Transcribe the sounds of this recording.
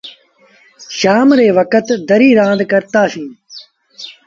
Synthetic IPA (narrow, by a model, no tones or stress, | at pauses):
ʃaːmɾeːʋɐkət̪d̪ɐɾiːɾãːd̪kɐɾt̪aːsĩː